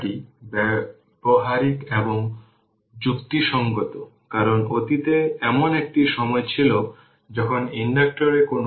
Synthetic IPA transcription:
ʈibɛ | boɦaɾikeboŋ | d͡ʑukt̪iʃɔŋɡot̪o | kaɾonot̪it̪eɛmonek̚ʈiʃɔmɔet͡ɕʰilo | d͡ʑɔkʰoninɖak̚ʈoɾekono

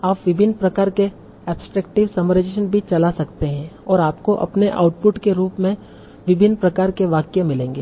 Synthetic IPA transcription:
aːpʋɪbʱɪnːpɾɐkaːɾke | ɛːpsʈɾɛːkʈɪʋsɐməɾəd͡ʒeːʃənbʱit͡ʃɐlasɐkt̪eɦɛ̃ɔːɾaːpkoʔɐ̰pneʔa̰ːʊʈ̚pʊʈkeɾuːpmẽ | ʋɪbʱɪnːpɾɐkaːɾkeʋaːkjamɪlẽːŋɡeː

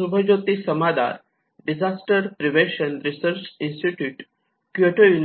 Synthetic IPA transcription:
ubʱəd͡ʒoːt̪isəmad̪a̰ɾ | ɖid͡ʒasʈəɾpɾiʋẽʃənɾisəɾt͡ʃinsʈiʈjuːʈ | kjoʈojun

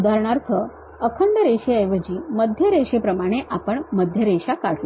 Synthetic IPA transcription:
d̪ʱaɾɳaɾt̪ʰə | əkʰəɳɖəɾeɕeəjʋəd͡ʑiːməd̪ʱjəɾeɕepɾəmaɽ̃eʔapəɳməd̪ʱjəɾeɕakaɽ̤ʰlo

